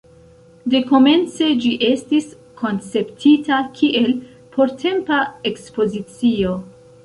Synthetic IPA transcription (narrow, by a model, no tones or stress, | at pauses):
de̞ko̞me̞nt͡se̞d͡ʒiʔe̞stis | kʰo̞nt͡se̞ptʰitakʰiʔe̞l | pʰo̞ɾtʰe̞mpae̞kspo̞zit͡sio̞